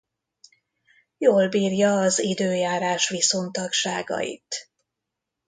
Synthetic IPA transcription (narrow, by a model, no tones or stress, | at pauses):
joːlbiːrjɒːzid̪øːjaːɾaːʃʋiso̞nt̪ɒkʃaːɡɒ̰ḭt̪